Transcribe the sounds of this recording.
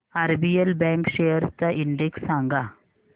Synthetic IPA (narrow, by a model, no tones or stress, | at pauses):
aɾbijelbɛ̃ŋkɕejəɾt͡saʔiɳɖeksːãŋɡa